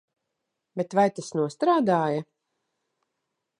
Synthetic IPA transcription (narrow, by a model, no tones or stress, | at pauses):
bet̪vajt̪asnuɔst̪ɾaːd̪aːja